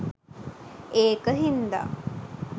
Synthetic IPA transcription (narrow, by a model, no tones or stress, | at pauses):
eːkəɦind̪a̰